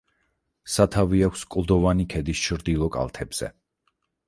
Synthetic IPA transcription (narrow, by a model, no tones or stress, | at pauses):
sat̪ʰaviakʷʰskʼlˠd̪ɔvanikʰɛd̪ist͡ʃʰɾd̪ilˠɔkʼa̰lˠt̪ʰɛbz̥ɛ̰